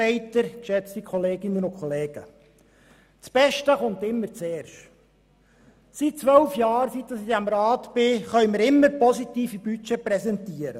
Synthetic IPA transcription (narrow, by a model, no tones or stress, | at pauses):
ɛɪtəɾkʃɛt͡st̪ikχɔleːɡɪnːənʊkʰχɔleːɡ̥ə̰ | t͡sb̥ɛʃtəχʊnt̪ɪmːəɾt͡sɛːrʃt | sit̚t͡sʋœlfjɑːɾsit̪ːəsɪdæmɾɑːt̪b̥ɪχœʏmɪɾɪmːəɾpɔsit̪iːfibyt͡ʃɛpɾɛsɛnt̪iːəɾə